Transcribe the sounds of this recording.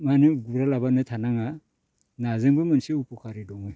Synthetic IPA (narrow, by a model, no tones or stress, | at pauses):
maniɡuɾalabanɯtʰanaŋa | nazeŋbɯmɯnsiupɔkʰaɾidɔŋɯj